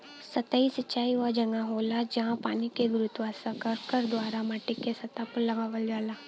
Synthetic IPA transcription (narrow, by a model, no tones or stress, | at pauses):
sɐt̪aisɐt͡ʃːaːiʋad͡ʒɐŋɡaɦoːlad͡ʒɐɦãpaːnikeɡʊɾʊt̪ʋaːsãkɐɾkəɾd̪waːɾaməʈːɪkesɐt̪apəɾlɐɡaːʋəld͡ʒaːlaː